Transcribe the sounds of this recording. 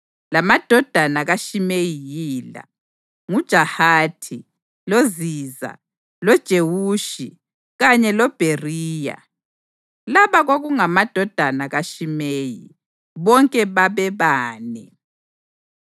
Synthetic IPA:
lamad̥ʱɔd̥ʱanaɣaʃimejijiːla̰ | ŋud̥ʒ̥ʱahaːtʰi | loziːza̰ | lɔd̥ʒ̥ʱewuːʃi | ɣaɲɛlɔb̥ʱeriːja̰ | laβaɣoɣuŋamad̥ʱɔd̥ʱanaɣaʃimeːjḭ | βɔŋkʼɛβaβɛβaːnɛ

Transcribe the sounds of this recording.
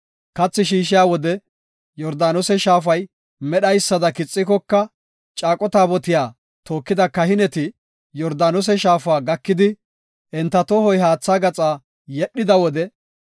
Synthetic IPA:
kɐt͡sːɪʃiːʃɪjaːwɔd̪ɛ | jɔɾd̪aːnɔsɛʃaːf̬ɐj | mɛɗɐjsːɐd̪ɐkɪt͡sʼːɪkɔkːɐ | t͡ʃʼaːkʼɔt̪aːbɔt̪ɪjaː | t̪o̞ːkːɪd̪ɐkɐhɪnɛt̪ɪ | jɔɾd̪aːnɔs̬ɛʃaːfaːɡɐkːɪd̪ɪ | ʔɛnt̪ːɐt̪ɔhɔjɦaːt͡sːaːɡɐt͡sʼaː | jɛɗːɪd̪ɐwɔd̪ɛ

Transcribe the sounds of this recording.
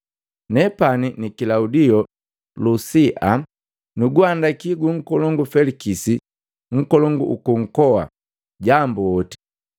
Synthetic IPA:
nɛpaninikilaudiɔ | lusiʔa | nuɡwandakiɡuŋ̩kɔlɔŋɡufɛlikisi | ŋ̩kɔlɔŋɡuʔukuŋ̩kɔwa̰ | ɟambuɔti̥

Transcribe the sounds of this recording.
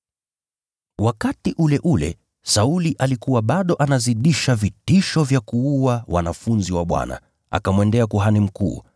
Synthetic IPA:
wakatiʔulɛʔulɛ̰ | sauliʔalikuwaɓaɗɔʔanaziɗiʃavitiʃɔvjakuuawʔa̰nafunziwaɓwa̰na̰ | a̰kamwɛndɛakuɦanim̩kṵː

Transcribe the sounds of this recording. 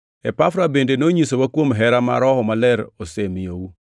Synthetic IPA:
ɛpafɾabendenoɲisowakwomɦɛɾama̰ɾɔhɔmalɛɾosemɪjowu

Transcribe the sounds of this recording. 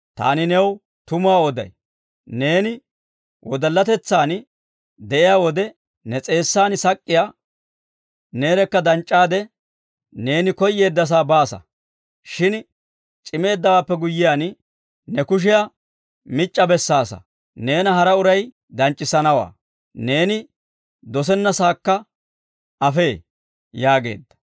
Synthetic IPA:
t̪a̰ːnɪnɛw | t̪ʊmʊaːɔd̪ɐ̰j | ne̞ːnɪ | wʔɔd̪ɐlːɐt̪ɛt͡sːaːn | d̪ɛʔɪjaːwɔd̪ɛ | nɛt͡sʼe̞ːsːaːnɪsɐkʼːɪjaː | ne̞ːɾɛkːɐd̪ɐnt͡ʃʼːaːd̪ɛ | ne̞ːnɪkɔjːe̞ːd̪ːɐs̬aːbaːsɐ̰ | ʃɪn | t͡ʃʼɪme̞ːd̪ːɐwaːpːɛɡʊjːɪjaːn | nɛkʊʃ̬ɪja | mɪt͡ʃʼːɐbɛsːaːsɐ̰ | ne̞ːnɐɦɐɾɐʊɾɐj | d̪ɐnt͡ʃʼːɪsɐnɐwa̰ː | ne̞ːnɪ | d̪ɔs̬ɛnːɐsaːkːɐ | ʔɐfe̞ː | jaːɡe̞̰ːd̪ːɐ̥

